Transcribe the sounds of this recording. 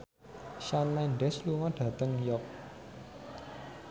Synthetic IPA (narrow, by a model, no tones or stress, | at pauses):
ʃanlɛnɖɛsluŋɔɖ̥ä̤t̪əŋjɔp̚